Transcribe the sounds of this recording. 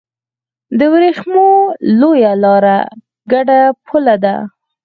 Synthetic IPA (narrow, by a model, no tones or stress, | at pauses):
d̪əwɾexmolojalɑɾa | ɡaɖapʰulad̪a̰